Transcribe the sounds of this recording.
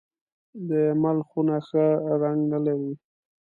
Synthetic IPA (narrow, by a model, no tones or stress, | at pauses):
d̪əmalxunaxəɾaŋɡnalaɾi